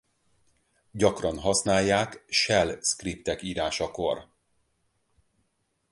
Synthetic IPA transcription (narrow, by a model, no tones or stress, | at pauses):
ɟɒkrɒnɦɒsnaːjːaːkʃɛlskript̪ɛkiːɾaːʃɒko̞r